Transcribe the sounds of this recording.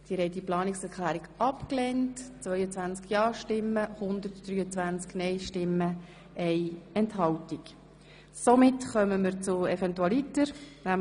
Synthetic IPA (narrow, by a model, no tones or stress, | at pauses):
d̪̥iːɾhɛɪtːiplɑːnɪksɛɾkʰlæːɾiɡɑpklɛntt͡sʋvœʏət͡sʋænt͡skjɑːʃtɪmːəhʊnd̪əɾtd̥̪ryːət͡sʋænt͡sknɛɪʃtɪmːə | ɛɪɛnthɑwtik | somɪtχœməməɾt͡sʊɛfɛntuɑlitəɾnæ